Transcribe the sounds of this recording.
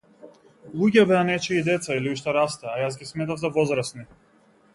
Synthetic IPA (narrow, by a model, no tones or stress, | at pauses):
lˠuɡʲɛbɛanɛt͡ʃɛid̪ɛt̪sailiuʃt̪ɛɾast̪ɛːjasɡʲismɛt̪avzavɔzɾasni